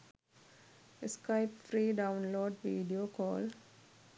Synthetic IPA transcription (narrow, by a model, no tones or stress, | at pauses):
əskaɪpfɾiːɖãʊ̃nloːɖʋiːɖioːkɔːl